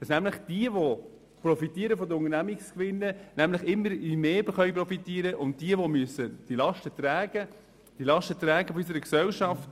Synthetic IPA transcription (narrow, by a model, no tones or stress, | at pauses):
d̥ɑsnæmləχd̥iəʋo | prɔfit̪iːəɾəfɔd̪əʊŋənæmɪkskʋɪnːənæmləχɪmːəɾimeːbəχœjp̬rɔfitiːəɾəʔʊnt̚d̥iəʋomyəsəd̥ilɑʃtət̪ɾæːɡə | d̥ilɑʃtət̪ɾæːɡəfɔys̬əɾəksɛlʃɑft